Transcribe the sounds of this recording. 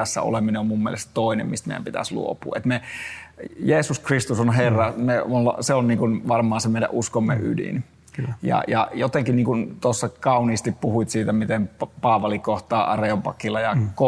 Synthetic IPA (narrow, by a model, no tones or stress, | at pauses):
æsːæ̰o̰lemineommumːiḛlest̪t̪oˑinḛmmist̪mḛjæ̰mpit̪æ̰slṵopṵːḛt̪me | jeːsuskrist̪usonɦerːɑmeonseonniːŋkunʋɑrmɑːnsemeijæ̰ʔuskomːḛʔydḭn | jɑ̰jɑ̰jot̪eŋkinniːŋkunt̪osːɑkɑuniːst̪ippuhuit̪siːt̪æmit̪empɑːʋɑlikoht̪ɑːʔɑreompɑkːilːɑjɑko